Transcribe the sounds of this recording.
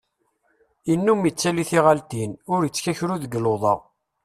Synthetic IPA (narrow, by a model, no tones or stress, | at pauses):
inːumət͡sːæliθiʁalt̪inʊɾjət͡sːçæçɾuðəɡloðˤɑ̰ʁ